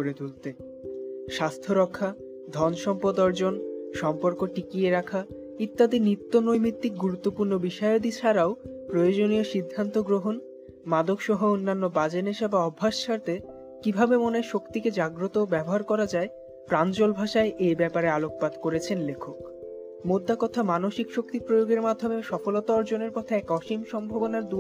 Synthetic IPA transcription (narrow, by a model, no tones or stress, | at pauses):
oɾed̪ult̪e | ʃast̪ʰoɾɔkʰːa | d̪ʱɔnʃɔmpod̪ɔɾd͡ʑonʃɔmpoɾkoʈikijeɾakʰa | it̪ːad̪init̪ːonojmit̪ːik̚ɡuɾut̪ːopuɾnobiʃɔeod̪it͡ɕʰaɾaopɾojod͡ʑonioʃid̪ʱːant̪oɡɾoɦon | mad̪okʃɔɦoonːanːobad͡ʑeneʃabaɔbʱːaʃʃaɾt̪e | kibʱabemoneʃokt̪iked͡ʑaɡɾot̪obɛboɦaɾkɔɾad͡ʑae | pɾant͡ɕolbʱaʃaeʔejbɛpaɾealok̚pad̪koɾet͡ɕʰenlekʰok | mod̪ːakɔt̪ʰamanoʃikʃok̚t̪ipɾojoɡeɾmad̪ʱːomeʃɔfolot̪oɔɾd͡ʑoneɾpɔt̪ʰeɛkɔʃimʃɔmbʱobonaɾd̪u